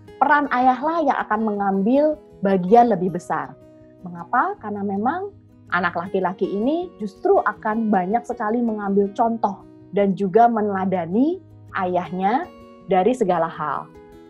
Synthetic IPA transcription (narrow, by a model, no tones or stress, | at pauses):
pəɾanʔajaɦlahja̰ŋʔa̰kanməŋambɪl | baɡianləbɪhbəsa̰r | məŋapakarnamemaŋ | ʔa̰naklakilakiːnid͡ʒust̪ɾuʔakanbaɲak̚səkaliməŋambɪlt͡ʃɔnt̪ɔh | dand͡ʒuɡamənladani | ʔajahɲa | daɾisəɡalaɦa̰l